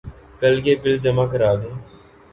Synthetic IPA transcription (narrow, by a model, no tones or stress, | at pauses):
kəlɡeːpɪld͡ʒəmaːkəɾaːd̪eː